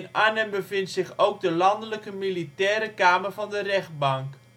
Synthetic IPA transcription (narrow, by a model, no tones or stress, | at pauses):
nanənbəvɪntsɪχowɡ̚dəlɑndələkəmilitɛːɾəkaːməɹvɑndərɛχd̚bɑŋk